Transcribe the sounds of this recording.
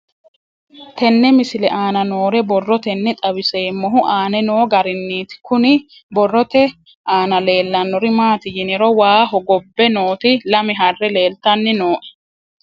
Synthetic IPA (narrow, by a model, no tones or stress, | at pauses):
t̪ɛnːɛmɪsɪlɛʔaːnɐno̞ːɾɛbɔrːɔt̪ɛnːɛt̪ʼɐbɪseːmːɔɦʊʔaːnɛno̞ːɡɐɾɪnːiːt̪ɪ̥kʊnɪ | bɔrːɔt̪ɛ | aːnɐle̞ːlːɐnːɔɾɪmaːt̪ɪjɪnɪɾɔwaːɦɔɡɔbːɛnoːt̪ɪlɐmɪɦɐrːɛle̞ːlt̪ɐnːɪnoːʔɛ̥